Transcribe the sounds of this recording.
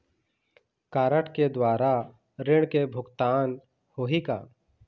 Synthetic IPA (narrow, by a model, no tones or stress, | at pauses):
kaːɾəʈʰked̪waːɾa | ɾɪɽ̃kebʱʊɡt̪aːn | hoːɦika̰ː